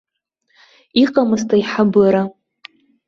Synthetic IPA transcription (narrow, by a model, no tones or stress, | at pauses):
iqʼamɨstʰʼaiħabɨɾa